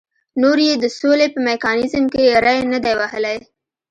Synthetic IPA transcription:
noɾjed̪əsolepəmekɑnɪzmkeɾajnəd̪awahəlaj

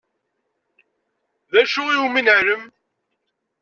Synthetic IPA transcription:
ðæʃʊiuminəɾəm

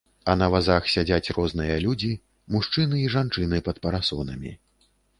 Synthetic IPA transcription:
ɐnɐvazaxsʲad͡zʲat͡sʲrɔznɨjɐlʲud͡zʲi | muʂt͡ʂɨnɨiʐant͡ʂɨnɨpɐt̪pɐɾasɔnɐmʲḭ

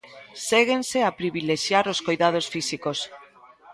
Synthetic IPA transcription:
seɣenseapɾiβileʃjaɾoskojðað̞osfisikos

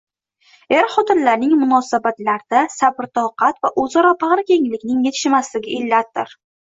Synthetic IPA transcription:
eɾχɒt̪ɪnlaɾnɪŋmʊnɒsabat̪laɾd̪asabɪɾt̪ʰɒwqɑt̪vaʔozɒɾɒpʰɑʁɾkʲe̞ŋlɪkʲnɪŋje̞t̪ʰɪ̥ʃmaslɪɡʲɪɪlːat̪̚d̪ɪɾ

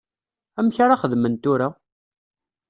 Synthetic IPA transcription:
æmçaɾaχəðmənt̪uɾa

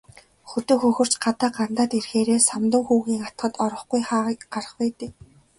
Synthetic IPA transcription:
xɵt̪ɵ̆xɵxɵ̆r̥t͡ɕɢat̪aːɢan̥t̪aːt̪erxeːɾeːsamt̪ʊ̆ŋxuːɣiːŋat̪ɢə̆t̪ɔɾɞ̆χɡujχaːɢaɾə̆χpæːt̪eː

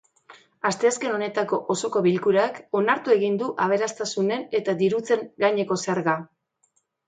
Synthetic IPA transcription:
ast̪e̞aske̞no̞ne̞t̪ako̞ʔoso̞ko̞βilkuɾako̞naɾt̪ue̞ɣind̪uʔaβ̞e̞ɾast̪asune̞ne̞t̪ad̪iɾut͡se̞ŋɡaɲe̞ko̞seaɾɣa

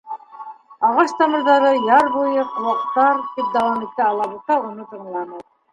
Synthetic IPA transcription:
ɑʁɑʃt̪ɑmɤ̆ɾðɑɾɤjɑɾβujɤqŭwɑqt̪ːɑɾt̪ip̚d̪awamʲet̪ːæɑlˠɑβut̪ɑunɤt̪ɤ̆ɴlˠɑnɤ

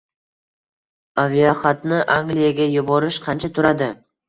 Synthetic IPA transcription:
avijoχat̪nɪʔaŋɡlijaɡʲajʊbɒɾɪʃqʰɑnt͡ʃʰat̪ʰʊɾad̪ɪ

